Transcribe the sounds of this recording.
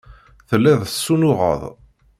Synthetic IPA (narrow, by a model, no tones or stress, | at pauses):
θəlːæðsːunʊʁə̰ðˤ